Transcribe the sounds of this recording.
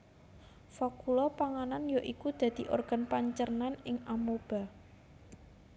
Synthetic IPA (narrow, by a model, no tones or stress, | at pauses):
fakulɔpaŋananjaʔikud̪̥ä̤d̪̥i̤ʔo̰rɡ̥a̤npaɲt͡ʃərnanɪŋamob̥a̤